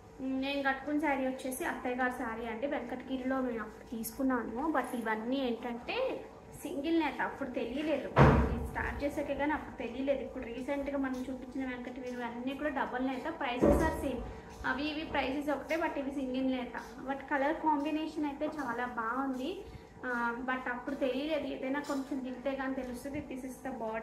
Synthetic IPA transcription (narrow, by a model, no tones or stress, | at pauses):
me̞ːnuɡɐʈːu̥kunsaːɾiʋɐt͡ʃːe̞ːsiɐt̪ːɐjɡaːɾusaːɾiɐɳʈeːʋeŋkɐʈːɡiɾlo̞ːme̞ːmɐpːuɽut̪iːsu̥kunːaːnubɐʈːiʋɐnːiːeːɳʈɐɳʈe̞ː | siŋɡilnɛːt̪ɐːpːuɽut̪e̞lijɐle̞ːd̪uneːnusʈa̰ːʈ̚t͡ʃeːsɐːkeːɡaːniɐpːuɽut̪e̞lijɐle̞ːd̪uipːuɽuɾiːsɐɳʈɡaːmɐnɐmt͡ʃuːpit͡ʃːinɐʋeŋkɐʈɡiːɾiɐnːiːkuːɽɐɖɐbːɐlnɛːt̪apɾɐjsesaːɾsiːm | ɐʋiʋipɾɐjses̬ɔkɐʈeːbɐʈːiʋisiŋɡinlɛːt̪a̰ | bɐʈkɐlɐɾkaːmbineːʂɐnɐjt̪eːt͡ʃaːlaːbaːund̪i | bɐʈːɐpːuɽut̪e̞lijɐle̞ːd̪uḛːd̪ɐjnaːko̞ɲt͡ʃɐmd̪iɡit̪eːɡaːnit̪elust̪ud̪it̪iːsist̪ɐbɔːɖ